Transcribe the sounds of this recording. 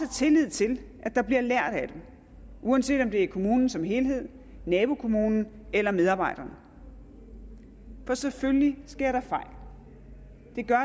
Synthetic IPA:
ət͡sʰe̝lið̞̰ˠt͡sʰe̝lʔæ̥ɑ̈b̥liɐlæɐ̰ɾ̥æd̥em | ʔuænse̝̰ːd̥ɒ̽md̥e̝ɐkʰo̝muːnn̩sɒ̽mɦe̝ːlɦe̝ð̞̰ˠ | nɛːb̥o̝kʰo̝muːnn̩ | elɐmeð̞ˠɑ̈ːbɑ̈ɪ̰ɾ̥ɐnə | fɒ̽seføllisɡ̥e̝ɐ̰ɾ̥ɑ̈fɑ̈ɪ̰l | d̥e̝ɡ̥ɶɐ

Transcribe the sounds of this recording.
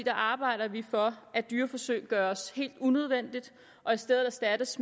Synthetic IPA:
d̥ɑ̈ʔɑ̈ːb̥ɑ̈ɪ̰ɾ̥ɐʋifɒ̽ʔæd̥yːɐfɒ̽sø̰ɪ̰ɡ̥ɶːɐɒshe̝̰ːld̥uneð̞ˠʋen̰d̥id̥ | ʔɒ̽isd̥eð̩ˠæsd̥æd̥əs

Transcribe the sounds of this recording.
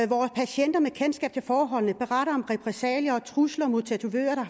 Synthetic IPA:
ʋɒːspʰæɕen̰d̥ɐmekʰensɡ̥ɛ̰ːb̥̚t͡sʰe̝lfɒːɦɒ̽l̰nəb̥e̝ʁɑ̈ɾ̥ɐɒ̽mʁɛpʰʁɛsɛ̰ːljɐɒ̽t͡sʰʁuslɐɒmut͡sʰæt͡sʰuø̰ːɐd̥ɑ

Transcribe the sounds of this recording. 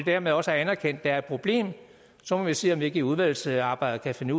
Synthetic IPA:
ed̥æɐmeð̞ˠɒ̽səæɐænɐkʰen̰d̥ːææɐɪd̥̚pʰʁo̝b̥le̝̰ːm | sɒ̽mɒʋise̝̰ːɒ̽mʋie̝ɡ̥əiuð̞ˠʋæl̰l̩sɑ̈ːb̥ɑ̈ɪ̰d̥̩ˠkʰæfe̝nu

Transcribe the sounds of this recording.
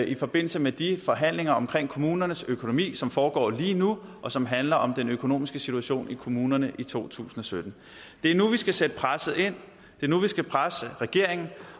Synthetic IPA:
ʔifɒ̽b̥e̝n̰l̩səmed̥ifɒ̽ɦæn̰le̝ŋɐɒ̽mkʰʁeŋ̰kʰo̝muːnɐnəsøkʰo̝no̝mḭːsɒ̽mfɒːɡ̥ɒ̰ːliːnuʔɒ̽sɒ̽mɦænlɐʔɒ̽md̥enøkʰo̝no̝̰ːmisɡ̥əsit͡sʰuæɕo̝̰ːnikʰo̝muːnɐnəʔit͡sʰo̝̰ːt͡sʰṵːsn̩ɒ̽sød̥n̩ | d̥e̝æɐnuʋisɡ̥æsed̥əpʰʁasð̩ˠe̝n̰ | d̥e̝ɐnuʋisɡ̥æpʰʁasʁɛɡ̥e̝ɐ̰e̝ŋn̩

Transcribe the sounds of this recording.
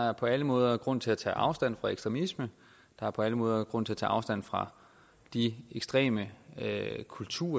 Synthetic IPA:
ɑæɐpʰɒ̽æləmɔ̽ːð̞ˠɐɡ̥ʁɔ̽n̰t͡sʰe̝læt͡sʰɛ̰ːʔɑ̈ʊsd̥æn̰fʁɑ̈eɡ̥sd̥ʁɛmismə | d̥ɑ̈æɐpʰɒ̽æləmɔ̽ːð̞ˠɐɡ̥ʁɔ̽n̰t͡sʰe̝æt͡sʰɛ̰ːɑ̈ʊsd̥æn̰fʁɑ̈ | d̥ieɡ̥sd̥ʁɛ̰ːmə | kʰult͡sʰuːɐ

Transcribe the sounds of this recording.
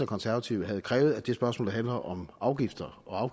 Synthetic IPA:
ɐkʰɒ̽nsæɐʋæt͡sʰiʊəɦæð̞̩ˠkʰʁɛ̰ːʊð̞̩ˠæd̥e̝sb̥ɶɐsmɔ̰ːld̥ɦænlɐʔɒ̽mɑ̈ʊɡ̥ifd̥ɐʔɒ̽ɑ̈ʊ

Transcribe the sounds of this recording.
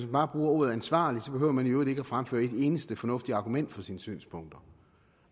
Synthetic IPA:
smænb̥ɑ̈ːb̥ʁuːɐo̝ːð̞̩ˠænsʋɑ̰̈ːlid̥sɒ̽b̥e̝ɦø̰ʊ̰ɐmænioːð̩ˠeɡ̥æfʁamfø̰ːɐe̝de̝ːnəsd̥əfɒ̽nɔ̽fd̥iɑ̈ɡ̥umen̰d̥fɒ̽siːnəsy̰ːnspʰɔ̽ŋ̰d̥ɐ

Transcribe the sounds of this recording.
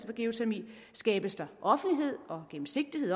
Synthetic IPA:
sʋɒ̽ɡ̥e̝o̝t͡sʰeɐmḭ | sɡ̥ɛ̰ːb̥əsd̥ɑ̈ʔɒ̽fn̩liɦe̝ð̞̰ˠɒ̽ɡ̥em̩se̝ɡ̥̚d̥ihe̝ð̰ˠ

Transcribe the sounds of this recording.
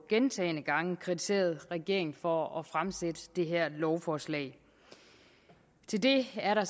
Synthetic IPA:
ɡ̥ent͡sʰɛ̰ːnəɡ̥ɑ̈ŋəkʰʁit͡sʰi̥se̝̰ːɐð̞̩ˠʁɛɡ̥e̝ɐ̰eŋn̩fɒ̽ɒ̽fʁamsed̥əd̥e̝ɦæɐ̰lɒʊfɒːslɛ̰ɪ̰ | t͡sʰe̝ld̥e̝æɐɾɑ̈

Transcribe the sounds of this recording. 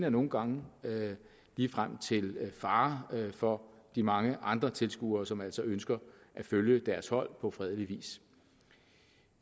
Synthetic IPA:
næɐno̝ːn̩ɡ̥ɑ̈ŋə | liːfʁam̰t͡sʰe̝lfɑ̈ːfɒ̽d̥imɑ̈ŋəʔɑ̈nd̥ʁɐt͡sʰe̝lsɡ̥ṵːɐːsɒ̽mæl̰sɒ̽ønsɡ̥ɐʔæføljəd̥æɐshɒ̽l̰pʰɒ̽fʁɛð̞ˠəliʋḭːs

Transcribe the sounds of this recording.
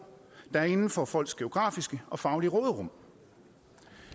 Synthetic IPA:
d̥ɑ̈æɐe̝nn̩fɒ̽fɒ̽l̰ɡ̥sɡ̥e̝o̝ɡ̥ʁɑ̈ːfisɡ̥əɒ̽fɑ̈ʊliʁɔːðˠʁɔ̽m̰

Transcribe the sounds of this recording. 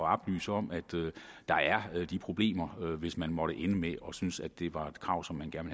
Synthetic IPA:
ɒɑb̥ly̰ːsəɒ̽m̰æd̥ø | d̥ɑ̈æɐd̥ipʰʁo̝b̥le̝̰ːmɐøʋe̝smænmɒ̽ɾ̥əʔenəmeʔɒ̽synsæd̥ːe̝ʋɑ̈e̝d̥kʰʁɑ̈ʊ̰sɒ̽mːænɡ̥æɐnʋe

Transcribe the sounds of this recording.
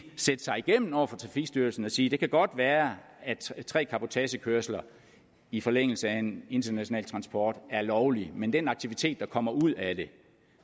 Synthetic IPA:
sed̥əsɑ̈ɪiɡ̥em̰n̩ɒʊ̰ɐfɒ̽t͡sʰʁɑ̈fiɡ̥sd̥yɐl̩sn̩ɒ̽siːd̥e̝kʰæɡ̥ɒ̽d̥ʋæːɐ | æt͡sʰʁɛ̰ːkʰɑ̈pʰo̝t͡sʰɛɕəkʰøɐslɐ | ifɒ̽leŋ̰l̩səæe̝ne̝nd̥ɐnæɕo̝nɛ̰ːlt͡sʰʁɑ̈nsb̥ɒːd̥æɐlɒʊlimend̥enɑ̈ɡ̥t͡sʰiʋit͡sʰe̝̰ːd̥ːɑ̈kʰɒ̽m̰ɐʔuð̞̰ˠæd̥e̝

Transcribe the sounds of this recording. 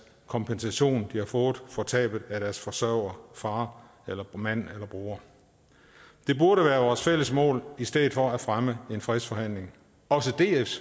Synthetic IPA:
kʰɒ̽mpʰensæɕo̝̰ːnd̥ihɑ̈fɔ̽ːð̞̩ˠfɒt͡sʰɛ̰ːb̥ð̩ˠæd̥æɐsfɒ̽sɶɐ̰ʊ̰ɐfɑ̈ː | elɐmæn̰elɐb̥ʁuːɐ | d̥e̝b̥uɐɾəʋæːɐʋɒːsfel̰əsmɔ̰̽ːlisd̥eðˠfɒ̽æfʁaməe̝nfʁɛsfɒ̽hæn̰le̝ŋ | ɒ̽səd̥e̝ːef

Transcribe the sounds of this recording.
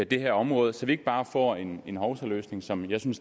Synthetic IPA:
æd̥e̝hæɐ̰ɒ̽mʁɔ̽ːð̞ˠəsɒ̽ʋie̝ɡ̥əb̥ɑ̈ːfɒ̰ːe̝ne̝nɦɒʊsɐlø̰ːsne̝ŋsɒ̽mjɑ̈ɪsyns

